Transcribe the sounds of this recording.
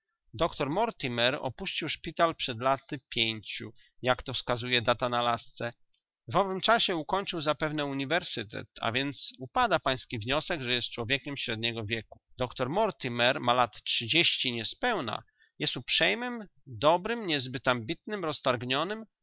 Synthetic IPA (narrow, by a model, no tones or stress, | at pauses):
d̪ɔkt̪ɔɾmɔɾt̪imɛɾɔ̰puɕt͡ɕiwʂpʲit̪alpʂɛd̪lat̪ɘpʲjeɲt͡ɕṵ | jakt̪ɔfskazujɛd̪at̪analast̪sɛ | vɔvɘmt͡ʂaɕɛukɔɲt͡ʂɘwzapɛvn̪ɛuɲivɛɾsɘt̪ɛ̰t̪a̰vʲjɛnt̪supad̪apaj̃skʲivɲɔsɛɡʐɛjɛst̪̚t͡ʂwɔvʲjɛkʲɛmɕɾɛd̪ɲɛɡɔvʲjɛku̥d̪̥ɔkt̪ɔɾmɔɾt̪imɛɾmalat̪tʂɘd͡ʑeɕt͡ɕiɲɛspɛwna̰ | jɛst̪upʂɛjmɘmd̪ɔbɾɘmɲɛzbɘt̪ambʲit̪nɘmɾɔst̪aɾɡɲɔnɘm